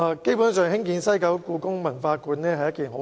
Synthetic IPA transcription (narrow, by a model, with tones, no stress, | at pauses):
a˧ke˥jpuː˨˥nsœː˨ŋhɪ˥ŋkiː˨˧nsɐ˥jkɐ˨˥wkuː˧kʊ˥ŋmɐ˨˩nfaː˧kuː˨˧nnɛː˥ɦɐ˨jːɐ˥tkiː˨˩nɦo˨˥